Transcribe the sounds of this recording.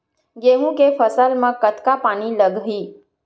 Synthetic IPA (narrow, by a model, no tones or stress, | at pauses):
ɡeɦũkefəsəlmãkət̪kapañiləɡɦi